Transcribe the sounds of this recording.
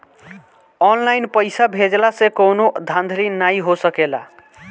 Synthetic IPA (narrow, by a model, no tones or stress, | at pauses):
ɔnlajnpəɪsabʱed͡ʒlasẽkonod̪ʱand̪ʱɾinaĩɦosəkela̰